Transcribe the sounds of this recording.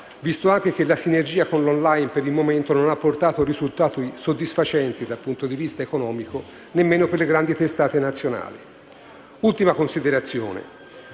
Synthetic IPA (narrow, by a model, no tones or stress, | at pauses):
vist̪oaŋk̟ek̟elasinerd͡ʒiːakonlonlajnpeɾilmoment̪ononapːort̪aːt̪orizult̪aːt̪oisod̪ːisfat͡ʃɛnt̪id̪alpunt̪od̪ivist̪aekonɔːmiko | nemːeːnoperleɡɾand̪it̪est̪aːt̪enat̪sːjona̰ːlḭ | ult̪imakonsid̪eɾat̪sːjo̰ːnḛ